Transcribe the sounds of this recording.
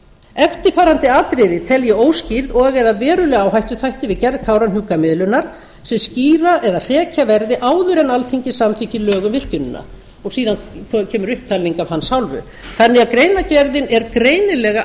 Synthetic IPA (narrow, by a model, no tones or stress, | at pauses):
ɛft̪ɪ̥faːɾant̪ɪaːt̪ɾɪðɪt̪ʰɛljʏoːwsciɾðɔɣaɣɛðavɛːɾʏlɛɣawɦajht̪ʏθajht̪ɪvɪðcɛɾðkʰawɾanɦuːkamɪðlʏnːaɾ̥ | sɛmsciːɾaʔɛðar̥ɛːcavɛɾðɪʔaːwðʏɾɛnalθiɲcɪsamθiɲcɪlœːɣʏmvɪr̥cʏnɪnːa̰ | ɔɣsiːðankʰcʰɛːmʏɾʏhp̚t̪ʰaːliŋkavhanːsawlvʏ̰ | θanːɪakɾeːjnacɛɾðɪnɛɾkɾeːjnɪlɛɣa